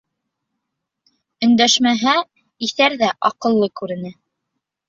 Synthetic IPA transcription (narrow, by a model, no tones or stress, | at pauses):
ɵ̆nd̪æʃmæɦæ | iθæɾðæʔɑqɤ̆lˠːɤkʉɾɘ̆nɘ